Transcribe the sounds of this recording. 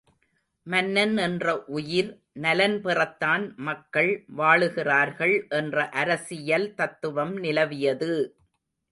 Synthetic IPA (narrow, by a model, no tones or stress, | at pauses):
mɐnːɐnɛndrɐʔʊjɪɾ | nɐlɐnpɪrɐt̪ːaːnmɐkːɐɭʋaːɭɯɣɪraːɾɣɐɭʔɛndrɐʔɐɾɐsɪjɐlt̪ɐt̪ːɯʋɐmnɪlɐʋɪjɐðɯ